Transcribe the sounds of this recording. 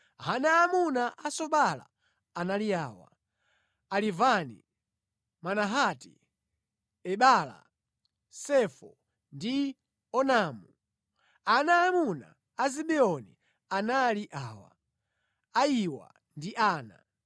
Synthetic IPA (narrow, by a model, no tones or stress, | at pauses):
ɦanaːmunaʔasɔɓala̰ː | naliaːwa̰ | alivanḭ | manaɦatḭ | ɛɓala̰ | sɛfɔ | ndi | ɔnaːmu | anaːmuna̰ | aziɓɛɔnḭ | analiʔaːwa̰ | aiwa̰ | ndiʔaːna̰